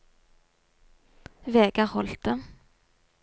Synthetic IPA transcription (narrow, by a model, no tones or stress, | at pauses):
veːɡɑʁhɔlt̪̚ə